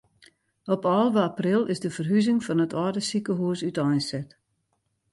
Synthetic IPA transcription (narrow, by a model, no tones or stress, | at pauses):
ɔpɔːlˠʋəaprɪlˠɪzdəfərɦyzɪŋfɔnətɔːdəsikəɦuəsytɔjnsɛt